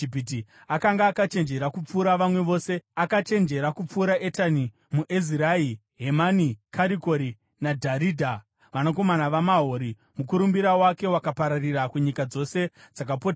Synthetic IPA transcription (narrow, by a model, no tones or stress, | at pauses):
ipit̬i | akaŋɡaːkat͡ʃe̞nd͡ʒe̞ɾakup͡fuːɾaʋamwe̞ʋo̞ːse̞akat͡ʃe̞nd͡ʒe̞ɾakup͡fuːɾaʔe̞tani | muʔeziɾai | ɦemanikaɾiko̞ɾi | nadʱaɾidʱa | ʋanako̞manaʋamaɦoɾi | mukuɾumbiɾawake̞wakapaɾarirakuɲikad͡zo̞se̞d͡zakapota